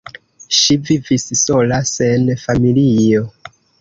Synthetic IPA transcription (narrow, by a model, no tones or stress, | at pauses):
ʃivivissolasenfamilijo